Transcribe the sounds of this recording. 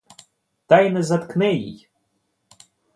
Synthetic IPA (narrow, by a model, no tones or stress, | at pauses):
t̪ɑjnɛzɐt̪knɛjḭj